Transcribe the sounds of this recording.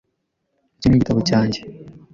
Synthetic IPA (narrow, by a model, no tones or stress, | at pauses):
ecimuɟitʰaβocaːɲɟe